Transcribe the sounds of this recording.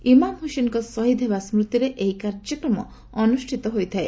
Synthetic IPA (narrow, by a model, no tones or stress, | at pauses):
imamɦusenkɔsɔɦid̪ʱebasmɾut̪iɾeʔeɦikaɾd͡ʒɔkɾɔmɔ̰ː | nusʈʰit̪ɔɦojt̪ʰae